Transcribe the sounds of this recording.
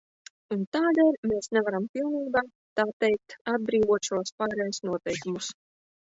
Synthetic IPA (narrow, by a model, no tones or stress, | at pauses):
unt̪aːd̪eːlʲmeːsnɛvaɾampʲilˠniːbaː | t̪aːt̪ɛjk̚t̪ad̪̚bɾiːvuɔt̪ʃuɔspaːɾɛjusnuɔt̪ɛjkumus